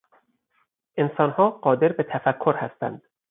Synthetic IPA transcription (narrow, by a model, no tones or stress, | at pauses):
ʔe̞nsɒːnhɒːɢɒːd̪e̞ɾbet̪ʰæfækʰːoɾhæst̪æ̰nd̪̥